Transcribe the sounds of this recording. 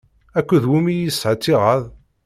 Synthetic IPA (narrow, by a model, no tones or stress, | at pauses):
ækʷːuðwimijisːʕət͡sːiʁəðˤ